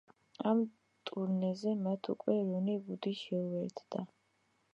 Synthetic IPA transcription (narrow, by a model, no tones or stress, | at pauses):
am | t̪ʼuɾnɛzɛmat̪ʰṵkʼwɛɾunibud̪iʃɛuwɛɾt̪ʰd̪̥a